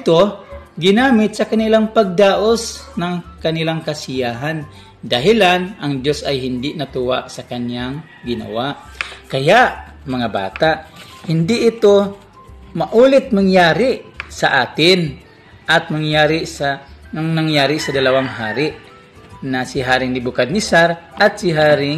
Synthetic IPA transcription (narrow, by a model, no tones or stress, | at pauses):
t̪oɡɪnaːmɪt̪̚sɐkanɪlaŋpaɡ̚d̪aːʔosnaŋkɐnɪlaŋkasɪjaːɦan | d̪aɦɪlanɐŋd̪josajɦɪnd̪ɪnɐt̪uwaʔsɐkanjaŋ | ɡɪnɐ̰waʔ | kɐjaʔmɐŋaba̰ːt̪aʔhɪnd̪ɪʔːt̪o | mɐʔuːlɪt̪̚maŋjaːɾɪsaʔaːt̪ɪn | ʔat̪̚maŋjaːɾisaaŋnaŋjaːɾɪsɐd̪ɐlawaŋɦaːɾɪʔ | nasɪɦaːɾɪŋnɪbʊkad̪̚nɪsaɾʔat̪̚sɪɦaːɾɪŋ